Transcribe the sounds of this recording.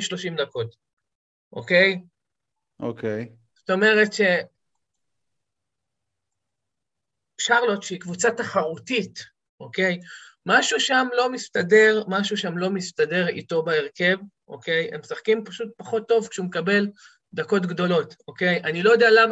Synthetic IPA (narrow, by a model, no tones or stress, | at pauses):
ʃlo̞ʃimd̪ako̞t | ʔo̰ke̞j | ʔo̰kej | z̥ot̪o̞me̞ʁe̞tʃe̞ | ʃaʁlotʃeikvut͡sataχaʁutit | ʔo̞ke̞jmaʃuʃamlo̞mist̪adeʁmaʃuʃamlo̞mist̪ade̞ʁḭto̞baeʁke̞vʔo̞̰ke̞je̞̰msaχkimpaʃut̚paχo̞tːo̞vkʃeumekabe̞l | d̪ako̞tɡdo̞lo̞toke̞jʔanilojod̪ealam